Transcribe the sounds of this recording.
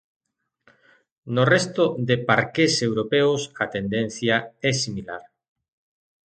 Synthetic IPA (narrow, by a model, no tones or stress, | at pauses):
norɛst̪od̪epaɾkesewɾopɛʊsɐt̪end̪en̟θjaɛsimila̰ɾ